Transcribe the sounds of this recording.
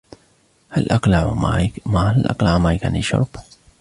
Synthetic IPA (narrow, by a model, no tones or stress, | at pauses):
halʔɑqlaʕmahalʔɑ̰qlaʕmajka̰niʃʊ̰ɾˤb